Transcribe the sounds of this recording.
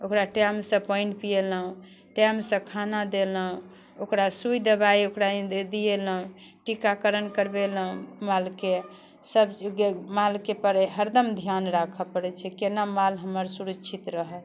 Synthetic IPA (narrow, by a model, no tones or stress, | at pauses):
okɾaʈɛmsə̃pəiɳʈpijeləɦũ | ʈɛmsə̃kʰanad̪eləɦũ | okɾasujd̪əbaiokɾad̪ieləɦũ | ʈikakəɾənkəɾbeləɦũmalke | səbmalkepəɾɦəɾd̪əmd̪ʱijanɾakʰəpəɽɛt͡ʃʰɛkenamalɦəməɾsuɾəkːt͡ʃʰit̪ɾəɦɛl